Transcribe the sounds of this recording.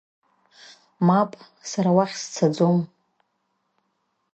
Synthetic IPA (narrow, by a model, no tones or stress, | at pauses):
mapʼ | saɾawaχʲst͡sʰad͡zom